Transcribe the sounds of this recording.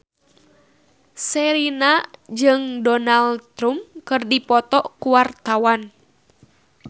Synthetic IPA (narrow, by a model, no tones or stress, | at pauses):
sɛɾinad͡ʒɨŋdɔnalt̪ɾumkɨrdipɔt̪ɔkuwart̪awan